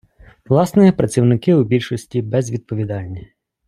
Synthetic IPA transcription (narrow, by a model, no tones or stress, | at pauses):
ʋlˠɑsnɪjɛpɾɐt͡sʲiwnɪkɪʊbʲilʲʃɔsʲtʲibɛzʋʲid̪̚pɔʋʲid̪ɑlʲnʲi